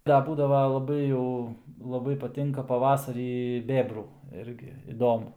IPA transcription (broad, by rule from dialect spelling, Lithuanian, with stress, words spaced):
ˈdɐ ˈbuːdɐʋɐ lˠɐˈbɐɪ jɛʊ lˠɐˈbɐɪ pɐˈtʲɪŋkɐ pɐˈʋɑːsɐrʲiː ˈbʲeːbruː ˈɪrʲɡʲɪ ɪˈdoːmʊ